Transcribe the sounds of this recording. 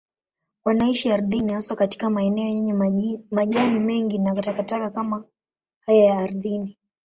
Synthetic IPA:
wanaiʃiaɾðinihaswakati̥kamaɛnɛɔjɛɲɛmaʄanimɛŋɡinakutakatakakama | hajajaːɾðini

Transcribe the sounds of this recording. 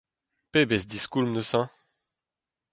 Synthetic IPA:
pebɛsd̪iskulmnəsã

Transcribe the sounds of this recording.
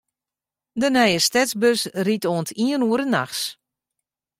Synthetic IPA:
dənɛjəstɛsbøsritoəntiənuəɾənaxs

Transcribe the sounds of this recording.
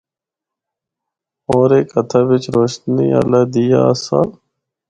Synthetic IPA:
oːɾeːkət̪ʰaːʋɪt͡ʃɾoːʃt̪niːa̰laːd̪ijaːsaː

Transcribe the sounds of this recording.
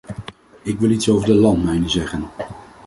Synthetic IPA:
ɪkʋɪlˠitsowvəɹdəlɑntmɛjnəzɛχən

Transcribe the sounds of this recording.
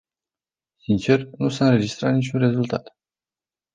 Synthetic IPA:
sint͡ʃe̞rnusaɨnɾe̞d͡ʒist̪ɾat̪nit͡ʃʲunre̞zult̪a̰t̪

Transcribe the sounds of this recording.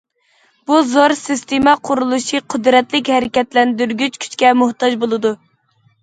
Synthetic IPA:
b̥uzoɾsɨst̪emɛqʰʊɾulˠuʃiqʰɨd̪ɾɛt̪lɪkʲhɛɾɪkʲɛt̪lɛnd̪yɾɡʲyt͡ʃkʲʰy̥t͡ʃkʲɛmʊht̪ɑd͡ʒbolˠɨd̪u

